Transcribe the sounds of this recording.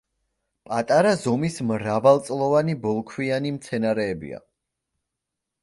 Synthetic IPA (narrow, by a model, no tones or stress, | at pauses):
pʼat̪ʼaɾazɔmismɾavalˠt̪sʼlˠɔvanibɔlˠkʰwianimt̪sʰɛnaɾɛːbḭa̰